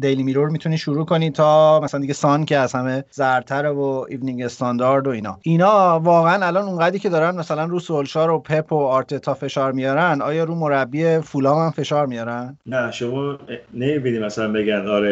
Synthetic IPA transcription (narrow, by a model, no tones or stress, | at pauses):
d̪e̞jlimiɾoɾmit̪ʰuniːʃuɾuːkʰo̞niːt̪ʰɒːmæsælænd̪iɟesɒncʰeæzhæme̞zæɾt̪ʰæɾevoivniŋɡe̞st̪ɒnd̪ɒɾd̪o̞iːnɒ̰ʔinɒːvɒːɣeænælɒːnuŋɡæd̪ɾiːcʰe̞d̪ɒːɾænmæsælænruːsolʃɒːɾo̞pʰe̞pʰoɒːɾt̪ʰet̪ʰɒːfe̞ʃɒːɾmijɒːɾænd̪ɒ̰ːjɒːɾuːmo̞ɾæbːiːefulɒːmhæmfe̞ʃɒːɾmijɒːɾænd̪næʃomɒːnemibiniːmæsælænbeɡænd̪ɒɾe